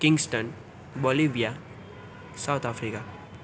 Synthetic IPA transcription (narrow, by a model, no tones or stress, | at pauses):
kiŋɡsʈən | bɔliʋija | sawt̪ʰafʰɾika